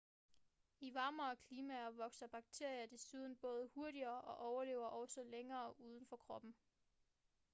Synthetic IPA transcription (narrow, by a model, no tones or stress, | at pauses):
iʋɑ̈ːmɐːkʰliːmæɐʋɒ̽ɡ̥sɐb̥ɑ̈ɡ̥̚t͡sʰe̝ɐ̰jɐd̥e̝suð̞ˠn̩b̥ɔ̽ːð̞ˠəhuɐɾiɐːʔɒ̽ʔɒʊɐle̝ːʊɐʔɒʊsɒ̽leŋɐːʔuːð̞ˠn̩fɒ̽kʰʁɒ̽b̥n̩